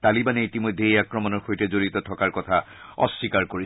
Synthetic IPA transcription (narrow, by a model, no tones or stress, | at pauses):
t̪alibanɛitimɔjd̪ʱeejakɹɔmɔnɔɹxojtɛzoɹit̪ɔtʰɔkaɹkɔtʰa | ɔ̰sːikaɹkoɹi